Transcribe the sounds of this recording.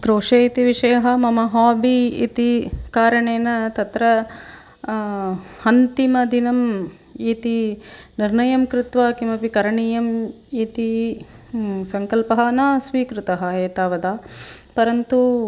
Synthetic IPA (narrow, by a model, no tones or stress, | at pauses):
kɾoːʂɐit̪iʋiʂɐjɐɦɐmɐmɐɦaːbiḭt̪ikaːɾɐɳeːnɐt̪ɐt̪ɾɐ | ɐnt̪imɐd̪inɐm | iːt̪iniɾnɐjɐmkɾut̪ʋaːkimɐpikɐɾɐɳiːjɐm | iːt̪i | sɐŋkɐlpɐɦɐːnaːsʋiːkɾut̪ɐɦɐeːt̪aːʋɐd̪aːpɐɾɐnt̪u